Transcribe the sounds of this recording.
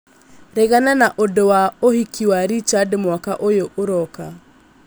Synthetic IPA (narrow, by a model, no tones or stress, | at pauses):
ɾeɣananaʔodowaohikiwaɾit͡ʃadmwakaʔojoʔoɾɔka